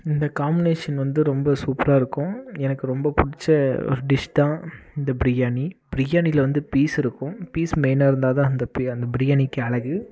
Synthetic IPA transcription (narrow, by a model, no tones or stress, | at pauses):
ɪnd̪ɐkaːmbɪneːʂɐnʋɐnd̪ɯɾɔmbɐsuːpɾaːɪɾɯkːʊ̃ɛnɐkːɯɾɔmbɐpʊɽɪt͡ʃːɐɔ̰ɾɯɖɪʂt̪ãːɪnd̪ɐbɪɾɪjaːnib̥ɪɾɪjaːnilɐʋɐnd̪ɯpiːsɪɾɯkːʊ̃piːsmeɪnaːɪɾɯnd̪aːðãːɐnd̪ɐpiɐnd̪ɐbɪɾɪjaːnikːɯɐɭɐɣɯ